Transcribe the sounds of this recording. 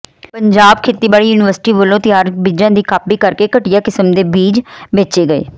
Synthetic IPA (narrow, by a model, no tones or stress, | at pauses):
pəɲd͡ʒaːb̚kʰeːt̪iːbaːɭiːjuːnɪʋəɾsɪ̥ʈiːʋəlõːt̪ɪjaːɾbiːd͡ʒãːd̪iːkʰaːpiːkəɾkeːkəʈɪjaːkɪsəmd̪eːbiːd͡ʒbeːt͡ʃeːɡəḛː